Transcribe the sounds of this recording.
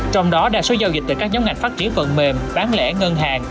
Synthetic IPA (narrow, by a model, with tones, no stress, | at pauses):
t͡ɕɔ˧wŋ͡mɗɔ˨˦ɗa̰ː˧˥so˨˦zaː˧wzi˨˩t̪ːkaː˦˥k̚ɲaː˨˦wŋa˨˩ŋ̟faː˦˥t̚t͡ɕi˧˦ənvə̰˧˨nme˨˩mɓaː˨˦nlɛ̰˧˩ŋə˧nɦaː˨˩ŋ